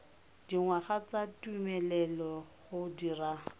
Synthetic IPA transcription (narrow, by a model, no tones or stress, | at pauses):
d̥iŋwaχat͡satʼwimɛlɛlɔχʊdira